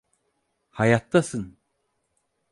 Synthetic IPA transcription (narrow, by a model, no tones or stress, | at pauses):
hajat̪ːasɯn